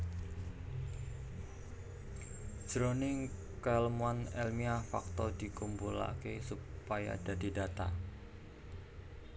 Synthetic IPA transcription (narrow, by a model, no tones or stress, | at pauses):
d͡ʒ̥ɾonɪŋ | kɛlmuanɛlmiafak̚t̪ɔd̥ikumbula̰kesupaja̰d̥adidat̪a̰